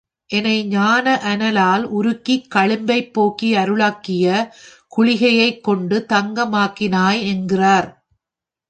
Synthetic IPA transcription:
ʔɛnɐɪɲaːnɐʔɐnɐlaːlʊɾɯkːikːɐɭɪmbɐɪpːoːkːiɐɾɯɭaːkːɪjɐ | kʊɭɪɣɐjɐɪkːɔɳɖɯt̪ɐŋɡɐmaːkːɪnaːjɛnɡɪraːɾ

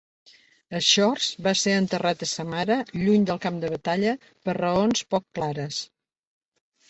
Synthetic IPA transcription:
əʃɔrzbaseənt̪ərat̪əsəmaɾəʎuɲd̪əlˠkamd̪əβət̪aʎə | pərəonspɔkːlaɾəs

